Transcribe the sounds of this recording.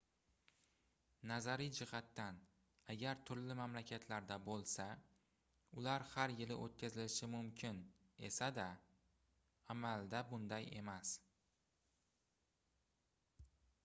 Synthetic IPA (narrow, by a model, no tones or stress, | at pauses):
nazaɾid͡ʒɪhat̪ːan | aɡʲaɾt̪ʰʊɾlɪmamlakʲʰat̪ʰlaɾd̪abolˠsa | ʊlaɾhaɾjɪlɪ̰ʔot̪̚kʲʰazɪlɪʃɪmʊmkʲʰɪne̞̰sad̪a | amald̪abʊnd̪aje̞̰mas